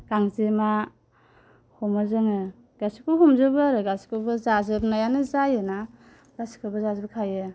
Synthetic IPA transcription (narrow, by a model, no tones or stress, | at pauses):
ɡaŋzima | hɔmazɯŋɯ | ɡasi̥kubɦɔmzɯbɯɾɯɡasi̥kɯbɯzazɯbnajanɯzajɯna | ɡasi̥kʰɯbɯzazɯbkʰajɯ